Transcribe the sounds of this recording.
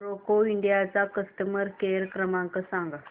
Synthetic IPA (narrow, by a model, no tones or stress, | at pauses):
ɾokoiɳɖijat͡sakəst̪əməɾkeɾkɾəmãŋkəsãŋɡa